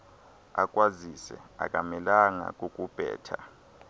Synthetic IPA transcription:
akʼwazisɛ̰a̰kʼamɛlaŋa̰k̬ʼokʼub̥ʱɛ̰ːtʰa

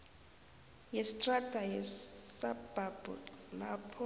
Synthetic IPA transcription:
jɛstʼradʱʼajɛsab̥ʱab̥ʼɔ̰lapʰɔ

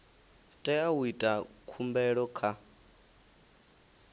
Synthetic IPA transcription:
tʼɛawwitʼakʰumbɛɺɔkʰa

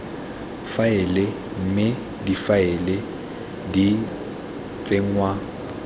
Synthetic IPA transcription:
faɪlɪ | m̩mɪ | difaɪlɪ | di | t͡sʼeŋ̩ŋwa

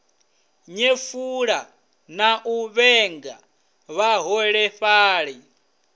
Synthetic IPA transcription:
ɲefuɺa | naʔuβɛŋɡa | βaɦɔɺɛɸaːɺɛ

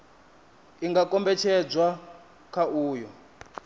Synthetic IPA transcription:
iŋɡakʼɔmbɛt͡ʃʰɛd͡zwa | kʰauːjɔ

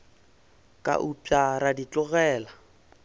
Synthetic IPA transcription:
kʼa̰ʔupʼaɾadit͡ɬʼʊɣɛːla

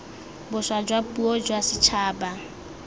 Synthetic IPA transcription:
bʊswad͡ʒwapʼuɔd͡ʒwasɪt͡ʃʰaːba

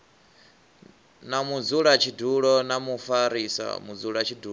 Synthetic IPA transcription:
namud͡zuɺat͡ʃʰiduɺɔnamufaɾisa̰mud͡zuɺat͡ʃʰidu

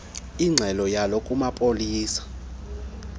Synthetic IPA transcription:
iŋ͡ǀʱɛlɔjalokʼumapʼoliːsḁ

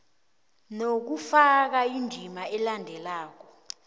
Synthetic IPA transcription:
nok̬ufak̬aindʱimaɛlandʱɛlaːk̬ɔ

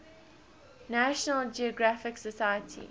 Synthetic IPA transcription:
næʃənəld͡ʒiɔɡɹafɪksəsajətʰḭ

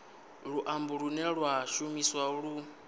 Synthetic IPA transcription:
ɺuʔambuɺunɛɺwaʃumiswauɺu

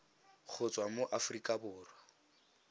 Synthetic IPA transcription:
k͡xʰʊt͡sʼwamoʔafrikʼabʊːrwa

